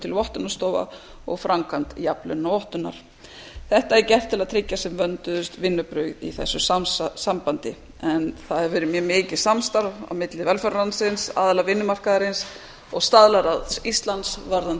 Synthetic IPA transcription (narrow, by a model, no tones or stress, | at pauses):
t̪ʰɪlvɔht̪ʏnːast̪oːwva̰ | ɔ̰ɣfɾaŋkʰant̪japlʏ̰nːaɔht̪ʏnːa̰ɾ̥ | θɛht̪aɛɾcɛr̥t̪ʰɪlaðt̪ʰɾɪcːasɛmvœnt̪ʏðʏst̪vɪnːʏpɾœɥɣðḭθɛ̰sːʏsamsampant̪ɪ | ɛnθaðɛɾvɪːɾɪmjɛmɪːcɪ̥samst̪aɾva̰wmɪt̪lɪvɛlfœɾɾansɪnsa̰ːðalavɪnːʏmar̥kaðɾɪns | ɔɣst̪aðlaɾaðist̪lant̪svaɾðan